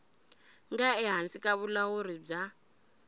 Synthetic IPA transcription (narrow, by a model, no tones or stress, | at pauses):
ŋɡaɛɦant͡sʼikʼaβulawuɾib͡ʐa